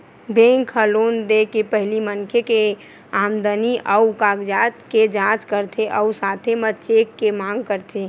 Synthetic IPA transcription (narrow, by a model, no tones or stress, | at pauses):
bẽŋkʰəlond̪ekepəɦlimənkʰeke | amd̪əniʔəukaːɡd͡ʒaːt̪ked͡ʒãt͡ʃkəɾt̪ʰeʔəusat̪ʰemət͡ʃekːemãŋɡkəɾt̪ʰe